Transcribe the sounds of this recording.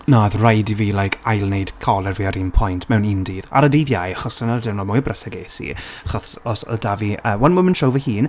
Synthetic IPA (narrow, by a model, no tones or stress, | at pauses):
naðrajdiviːlajkʰajlˠnejd̥kʰɔlˠɛrviːaɾimpʰɔjntʰmɛwnindiːða̰ɾədiːðjajaχɔsənardɪwnɔmʊjəbrəsaɡeːsḭaχɔsɔsɔ̰daviəːwɛnməmənʃowvəhiːn